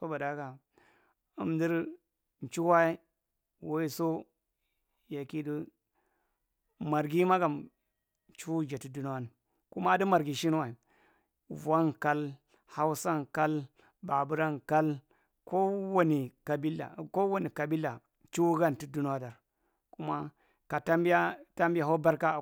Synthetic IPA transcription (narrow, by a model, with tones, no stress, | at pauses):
so˦ba˨da˦ɡa˨ | u˦mdi˦ɾ | n˨t͡ʃu˦wa˦i˦ | wo˦i˦so˦ | ja˨ki˦di˦ | ma˨ɾɡi˦ma˦ɡa˨m | t͡ʃu˦d͡ʒa˨ti˦du˦n˦wa˦n˨ | ku˦ma˦di˦ma˨ɾɡi˨ʃi˦n˦wa˨i˨ | va˦nka˦l | ha˦wsa˦nka˦l | ba˨bu˦ɾa˦nka˦l | ko˦wo˦ni˨ka˨bi˦la̰˨ko˦wo˦ni˨ka˨bi˦lːa˨ | t͡ʃu˦ɡa˦n˨ti˦du˦n˦wa˦da˨ɾ | ku˦ma˦ | ka˨ta˦mbi˦a˦ta˦mbi˦ja˨ɦo˦ba˦ɾka˦˨